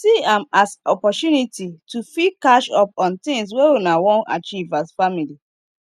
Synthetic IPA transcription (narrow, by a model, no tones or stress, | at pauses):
siãmasɔpɔtunititufikaʃɔpɔ̃nt̪ĩŋs̬wewunawɔ̃na̰t͡ʃivasfamili